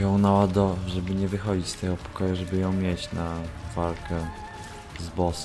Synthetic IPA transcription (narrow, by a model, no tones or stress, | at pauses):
jɔ̃w̃nawad̪ɔʐɛbɘɲɛvɘxɔd͡ʑit͡ɕst̪ɛɡɔpɔ̥kɔjuʐɛbɘjɔ̃w̃mʲjɛt͡ɕnavalkɛ | zbɔs